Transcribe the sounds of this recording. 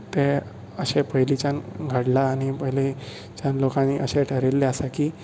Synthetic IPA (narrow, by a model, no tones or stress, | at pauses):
t̪e | əɕepəɦlit͡ɕanɡʱəɽlaːñipəili | t͡ɕanlokãniʔəɕeʈʰəɾelːeasakiː